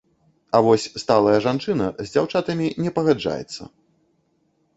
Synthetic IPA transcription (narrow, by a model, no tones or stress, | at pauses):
ɐvɔsʲst̪alˠɐjɐʐant͡ʂɨnɐ̰zʲd͡zʲawt͡ʂat̪ɐmʲinʲɛpɐɣad͡ʐa̰jɛ̰t̪sːɐ̰